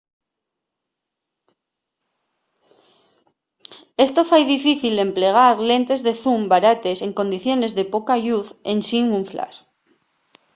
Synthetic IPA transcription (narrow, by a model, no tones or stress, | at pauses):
est̪ofajðifiθilempleɣ̞aɾlẽnt̪e̞zðeθumbaɾat̪eseŋko̞nd̪iθjo̞ne̞zðepokaʎuθensiŋuɱfla̰s